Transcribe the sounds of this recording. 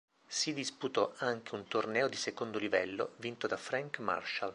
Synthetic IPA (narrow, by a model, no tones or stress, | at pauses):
sid̪isput̪ɔaŋk̟eunt̪ornɛːod̪isekond̪olivɛlːo̰vint̪od̪afɾaŋkma̰rʃal